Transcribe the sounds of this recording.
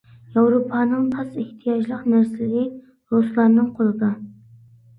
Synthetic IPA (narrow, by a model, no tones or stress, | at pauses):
jɑwɾopʰɑːnɨŋt̪ʰɑsɪht̪ʰijɑd͡ʒlˠəqnæɾsɪlɪɡʲi | ɾoslˠɑnnɨŋqʰolˠɨd̪ɑ